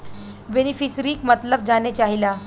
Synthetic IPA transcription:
benifisɾiːkmət̪ləb̚d͡zanet͡ɕaɦila

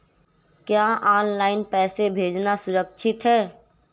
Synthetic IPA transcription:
kjaʔaːnlaːɪnpɛːsebʱeːd͡ʒnasʊɾəkʃɪt̪ɦɛː

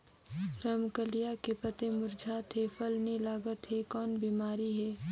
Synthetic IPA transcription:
ɾɐmkəlijakepət̪emʊɾd͡ʒʱaːt̪ɦefəlnelaːɡət̪ɦekɔːnbiːmaːɾiɦɛː

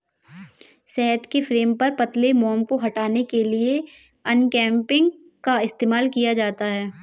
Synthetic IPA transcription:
sɛɦət̪kefɾeːmpɐɾpɐt̪lemɔːmkoɦɐʈaːnekelie | ɐnkɛ̃ːmpɪ̃ŋɡ | kaɪst̪eːmaːlkijad͡ʒaːt̪aɦɛː

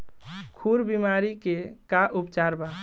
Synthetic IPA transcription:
kʰuɾbimaɾikekaʔupt͡ʃaɾba

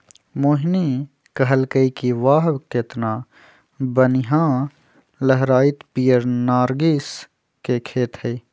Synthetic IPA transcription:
moːɦni | kɐɦəlkəikiʋaːɦʋket̪naː | bənɪɦãː | ləɦɾaːit̪piːjəɾnaːɾɡis | kekʰeːt̪ʰhei

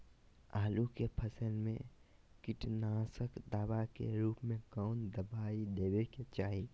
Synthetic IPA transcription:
aːlukepʰəsəlmḛ̃ | kɪʈnaːsəkd̪aːbakḛɾuːpmẽkɔːnd̪əbaːid̪eːweket͡ʃaːɦi

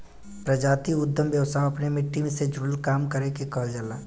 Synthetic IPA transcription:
pɾəd͡ʒaːt̪iʊd̪ʱjəmbjəʋst̪ʰaõɐpnemɪʈːimẽsed͡ʒʱʊlkaːmkəɾekekəɦld͡ʒəlaː

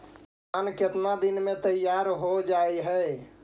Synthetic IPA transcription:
anket̪nad̪inmet̪əjaɾɦod͡ʒaeɦə

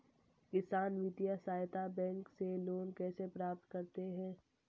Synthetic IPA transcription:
kɪsaːnʋid̪ijasaːjt̪abɛ̃ːŋkseloːnkɛːsepɾaːp̚t̪kɐɾt̪eɦɛ̃ː

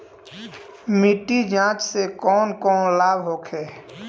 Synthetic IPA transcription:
miʈːid͡ʒãːt͡ʃsekɔːnkɔːnlaːbɦoːkʰɛː

